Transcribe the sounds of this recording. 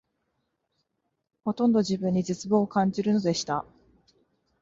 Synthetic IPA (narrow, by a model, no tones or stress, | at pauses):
ho̞t̪õ̞nd̪o̞ʑibɯ̟̃ɲ̟ːid͡ʑɨt͡sɨbo̞ːkãɲ̟d͡ʑiɾɯ̟no̞d̪e̞ɕi̥t̪a